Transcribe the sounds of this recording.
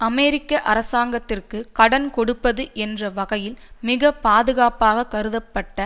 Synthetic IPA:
ɐmɛːɾɪkːɐʔɐɾɐsaːŋɡɐt̪ːɪrkɯkɐɽɐnkɔɽɯpːɐðɯʔɛndrɐʋɐɣɐjɪlmɪɣɐpaːðɯɣaːpaːɣɐkɐɾɯðɐpːɐʈːɐ

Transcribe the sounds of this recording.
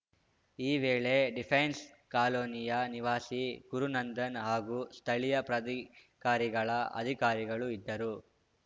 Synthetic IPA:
iːʋeːɭe̞ɖipʰejns | kaːloːnijɐniʋaːsiɡuɾunɐnd̪ɐnɦaːɡust̪ʰɐɭijɐpɾɐd̪ikaːɾiɡɐɭɐʔɐ̰d̪ʱikaːɾiɡɐɭuid̪ːɐɾu

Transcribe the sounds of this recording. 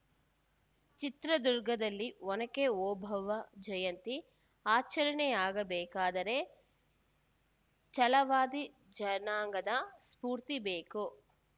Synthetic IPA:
t͡ʃit̪ɾɐd̪uɾɡɐd̪ɐlːiɔnɐkːeɔːbʱɐʋɐd͡ʒɐjɐnt̪i | aːt͡ʃɐɾɐɳɛjaːɡɐbɛːkaːd̪ɐɾe̞ | t͡ʃɐlɐʋaːd̪i | d͡ʒɐnaːŋɡɐd̪ɐspuːɾt̪ibeːku

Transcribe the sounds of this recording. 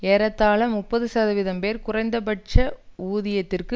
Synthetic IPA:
eːɾɐt̪ːaːɭɐmʊpːɐðɯsaːðɯʋɪðɐmpeːɾkʊrɐɪnd̪ɐpɐʈ̚t͡ʃɐuːðɪjɐt̪ːɪrkɯ

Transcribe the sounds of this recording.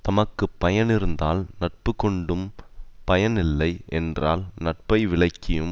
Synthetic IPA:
t̪ɐmɐkːɯpːɐjɐnɪɾɯnd̪aːlnɐʈ̚pɯkɔɳɖɯmpɐjɐnɪlːɐɪʔɛndraːlnɐʈ̚pɐɪʋɪɭɐɪkːɪjɯm

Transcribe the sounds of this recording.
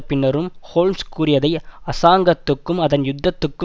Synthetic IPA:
pɪnːɐɾɯmhoːlmskuːɾɪjɐðɐɪɐsaːŋɡɐt̪ːɯkːɯmɐðɐnjʊd̪ːɐt̪ːɯkːɯ

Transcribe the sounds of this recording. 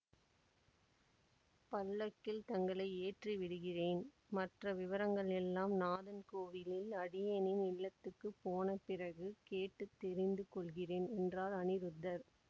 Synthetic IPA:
pɐlːɐkːɪlt̪ɐŋɡɐɭɐɪeːʈriʋɪɽɯɣɪreːn | mɐʈrɐʋɪʋɐɾɐŋɡɐɭɛlːaːmnaːðɐnkoːʋɪlɪlɐɽɪjɐnɪnɪɭːɐt̪ːɯkːɯpːoːnɐpɪrɐɣɯkeːʈːɯt̪ːɛɾɪnd̪ɯkɔɭɣɪreːnɛndraːlɐnɪɾɯd̪ːɐɾ

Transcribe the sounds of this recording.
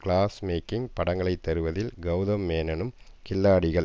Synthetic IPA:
kɭaːsmeːkɪŋpɐɽɐŋɡɐɭɐɪt̪ːɐɾɯʋɐðɪlɡɐʊðɐmːeːnɐnɯm | kɪlːaːɽɪɣɐɭ

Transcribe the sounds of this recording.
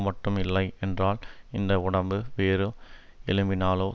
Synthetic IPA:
mɐʈːɯmɪlːɐɪɛndraːlɪnd̪ɐʊɽɐmbɯʋeːɾɯ | ɛlɯmbɪnaːloː

